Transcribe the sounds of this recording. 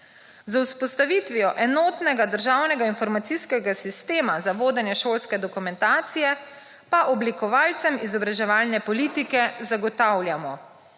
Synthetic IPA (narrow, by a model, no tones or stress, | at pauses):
zawspɔst̪aʋit̪ʋiɔʔɛnɔt̪nɛɡad̪əɾʒaːwnɛɡainfɔɾmat̪siskɛɡasist̪eːmazaʋoːd̪ɛnjɛʃoːlskɛd̪ɔkumɛnt̪aːt̪sijɛ | paʔɔblikɔʋaːlt̪sɛmizɔbɾaʒɛʋaːlnɛpɔliːt̪ikɛzaɡɔt̪awljamɔ